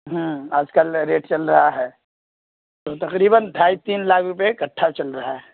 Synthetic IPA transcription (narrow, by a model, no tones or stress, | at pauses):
ɦə̃aːd͡ʒkəlɾeːʈt͡ʃɐlɾɐɦaɦɛː | t̪ot̪ɐqɾiːbənd̪ʱaːit̪iːnlaːkʰɾʊpekɐʈʰːat͡ʃɐlɾɐɦaɦɛː